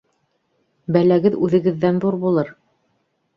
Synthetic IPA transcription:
bælæɡɘðʉðɘ̆ɡɘ̆ðːænðuɾbulˠɤɾ

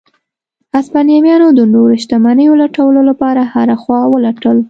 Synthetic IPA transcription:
aspɑnjɑmjɑnod̪ənoɾɪʃt̪amanəjolaʈawəlolapɑɾahaɾaxwɑwəlaʈəl

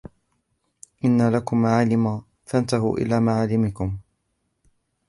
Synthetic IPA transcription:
ʔɪnːalakʊmaʕaːlɪma | θant̪aɦʊ̰ːʔɪ̰laːmaʕaːlːɪmɪkʊm

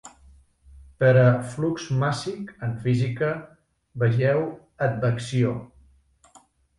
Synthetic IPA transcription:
pəɾəflukzmasikəɱfizikə | bəʒɛw | əd̪̚bəksio

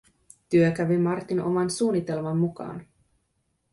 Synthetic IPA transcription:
t̪yøkæʋimɑrt̪ino̞̰mɑnsuːnit̪e̞lmɑmːukɑ̰ːn

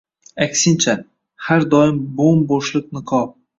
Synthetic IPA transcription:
akʲsɪnt͡ʃʰa | haɾd̪ɒɪmbombɒʃlˠɪq̚nɪqʰɒ

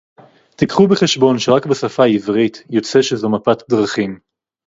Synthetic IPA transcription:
tikχubeχeʃbo̞nʃeʁakbesafaivʁitjo̞t͡se̞ʃezomapat̪d̪ʁaχim

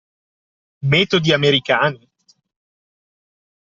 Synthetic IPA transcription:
mɛːt̪od̪iameɾikaːni

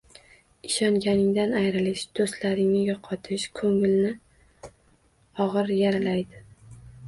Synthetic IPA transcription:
ɪʃɒŋɡʲanɪŋd̪anajɾɪlɪʃd̪̥ost̪laɾɪŋnɪjɒqʰɒt̪ʰɪʃkʰɵŋɪlnɪ | ɒʁɨɾjaɾalajd̪ɪ

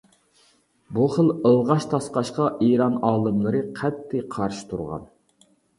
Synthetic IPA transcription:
buχəlˠəlˠʁɑʃt̪ʰɑsqɑʃqɑʔiːɾɑnɑːlˠɨmlˠɨɾɨqʰɛt̪ʰːɪqʰɑɾʃi̥t̪ʰṵɾʁɑ̰n

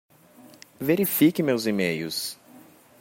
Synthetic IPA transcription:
veɾifikɪmewzimejʊ̰s

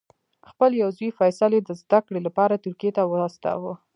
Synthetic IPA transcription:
xpəljawzuifɑjsaled̪əzd̪akɽelapɑɾat̪ʊɾkijet̪awəɑst̪a̰wə

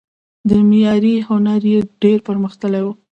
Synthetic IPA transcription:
d̪əmijɑɾihʊnaɾjeɖeɾpəɾməxt̪əlajwu

